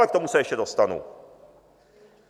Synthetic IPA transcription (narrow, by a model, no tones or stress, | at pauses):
ɛk̚t̪ɔmusɛjɛɕɛd̪ɔst̪anṵ